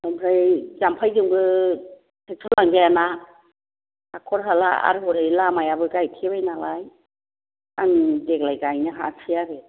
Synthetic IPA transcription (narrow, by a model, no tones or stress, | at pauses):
ampʰɾɯjzampʰajɡɯŋɡɯ | tʰɯk̚tʰɯlaŋzajana | akʰɔɾɦala̰a̰ɾɦɔɾɯjlamajabɯɡajtʰeβajnalaj | aŋdek̚lajɡajnɯɦasʰiaɾɯ